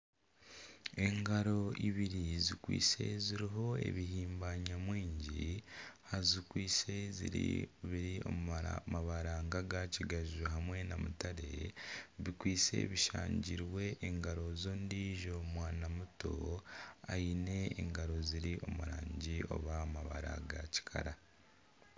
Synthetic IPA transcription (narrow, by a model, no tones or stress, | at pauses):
e̞ŋɡaɾo̞iβiɾizikwḭːse̞̰ziɾiɦo̞e̞̰βiɦiːmbaɲamwiːɲɟihazikwiːse̞zḭɾḭβiɾio̞̰mmaβaɾaːŋɡaɡaciɡaʒuɦamwe̞namutaɾe̞̰βikwiːse̞̰βiʃa̰ːɲɟiɾwe̞ʔːŋɡaɾo̞zoːndiʒo̞mwaːnamuto̞̰ | a̰ine̞̰ːŋɡaɾo̞ziɾio̞muɾaːɲɟio̞̰βamaβaɾa̰ɡaci̥kʰa̰ɾa